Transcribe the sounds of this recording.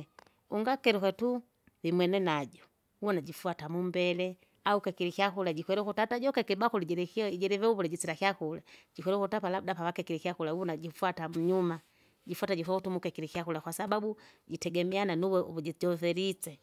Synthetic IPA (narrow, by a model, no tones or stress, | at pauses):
uŋɡakɛɾikwɛtu | vimwɛnɛnaɟɔ | uwɔnaɟifuatamumbɛlɛ | aukɛkiɾikiakulaɟikwɛɾɛkutataɟɔkɛkibakuliɟɛɾɛkɟɛɾɛvɛuβulɛɟit͡siɾakiakulaɟikwɛɾɛkutapalabdapawakɛkiɾikiakulauɔnaɟifuatamuɲuma | ɟifuataɟifwautumukɛkiɾikiakulakwasababuɟitɛɡɛmiananuwɛβuɟiɟɔvɛɾit͡sɛ